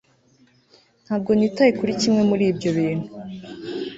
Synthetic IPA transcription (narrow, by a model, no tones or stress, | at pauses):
n̥haːb̚ɡo̞niːtajikuɾicimŋe̞muɾiːbɟo̞βiːn̥hu